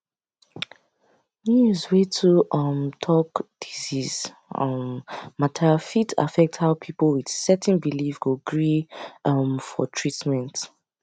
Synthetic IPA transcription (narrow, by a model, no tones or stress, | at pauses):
njuzwetʰuʔʌmtʰɔkd̥iziz̥ | ʌmːatʰɛfitʰa̰fɛk̚thaʊpʰipəlwid̥sɛtʰɛ̃nbilifɡoɡɹiʌmfɔ̰tʰɹitmɛ̃nt